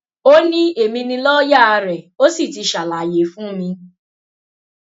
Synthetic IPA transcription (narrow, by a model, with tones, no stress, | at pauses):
o˦nĩ˦e˨mĩ˧nĩ˧lɔ˦ja˦˨a˧ɾɛ˨o˦si˦˨ti˧ʃa˨la˨je˨fũ˦mĩ˧